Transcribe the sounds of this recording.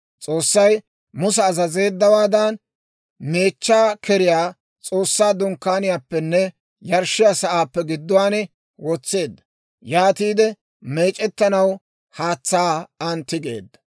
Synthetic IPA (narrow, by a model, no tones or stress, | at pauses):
t͡sʼo̞ːsːɐj | mʊs̬ɛːzɐze̞ːd̪ːɐwaːd̪ɐn | me̞ːt͡ʃːaːkɛɾɪjaː | t͡sʼo̞ːsːaːd̪ʊŋkːaːnɪjaːpːɛnːɛ | jɐɾʃɪjaːsɐʔaːpːɛɡɪd̪ːʊwaːnɛ | wɔt͡sːe̞ːd̪ːɐ | jaːt̪iːd̪ɛ | me̞ːt͡ʃʼɛt̪ːɐnɐw | haːt͡sːaːɐnt̪ːɪɡe̞̰ːd̪ːɐ̥